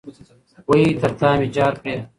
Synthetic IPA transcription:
woiːt̪ʰɐɾt̪ʰaːmit͡ɕaːɾpeː

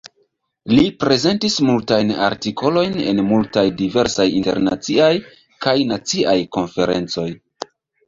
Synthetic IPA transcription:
lipɾe̞ze̞ntismultajna̰ɾtikʰo̞lo̞jne̞̰nmultajdive̞ɾsajinte̞̰ɾna̰t͡siaj | kajnat͡siʔajko̞nfe̞ɾe̞̰nt͡so̞j

